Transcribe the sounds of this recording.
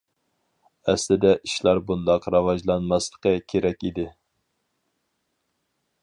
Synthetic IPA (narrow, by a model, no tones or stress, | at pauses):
ɛslɪd̪ɛʔiʃlˠɑɾbund̪ɑqɾɑvɑʒlˠɑnmɑslˠəqəkʲʰeɾɛkʲid̪ɪ